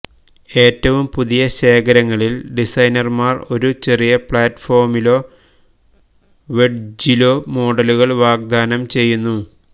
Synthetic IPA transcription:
e̞ːtːɐʋumpuðijɐɕe̞ːkʰɐɾɐŋːɐɭilɖisɐjnɐrmaːro̞ɾut͡ɕe̞rijɐpɭaːtːfo̞ːrmilo̞ː | ʋe̞ɖ̚d͡ʑilo̞ːmo̞ːɖɐluɣɐɭʋaːɡ̚d̪aːnɐmt͡ɕe̞jːunːu

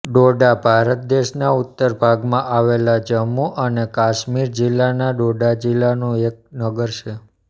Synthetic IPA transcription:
ɖoɖabʱaɾət̪̚d̪eʃnaut̪ːəɾbʱaɡmãʔaʋelad͡ʒəmːuʔənekaʃmiɾd͡ʒilːanaɖoɖad͡ʒilːanũek̚nəɡəɾʃʰe

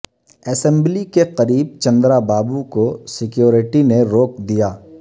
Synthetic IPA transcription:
ɛːsɛ̃mblikeqɐɾiːb̚t͡ʃɐ̃nd̪ɾabaːbukosɪkjoːɾɪʈineɾoːk̚d̪ijaː

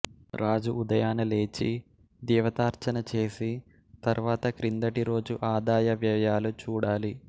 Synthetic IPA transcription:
ɾaːd͡ʒuud̪ɐjaːnɐle̞ːt͡ʃi | d̪iːʋɐt̪aːɾt͡ʃɐnɐt͡ʃe̞ːsi | t̪ɐɾʋaːt̪ɐkɾind̪ɐʈiɾo̞ːd͡ʒuʔaːd̪aːjɐʋjɐjaːlut͡ʃuːɽaːli

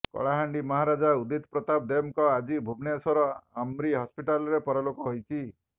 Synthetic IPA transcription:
kɔ̰ɭaɦaɳɖimɔɦaɾad͡ʒaud̪it̪pɾɔt̪abd̪emkɔad͡ʒibʱubnesɔɾɔamɾiɦɔspiʈalɔɾepɔɾɔlokɔɦojt͡ʃʰi

